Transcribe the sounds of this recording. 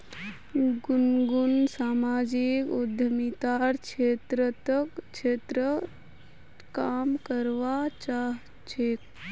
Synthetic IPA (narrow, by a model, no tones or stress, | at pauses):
ɡunɡunsaːmaːd͡ʒikud̪ʱəmit̪aɾkt͡ʃʰeːt̪ɾət̪əkt͡ʃʰeːt̪ɾə | kamkəɾʋat͡ʃaɦ | t͡ʃʰek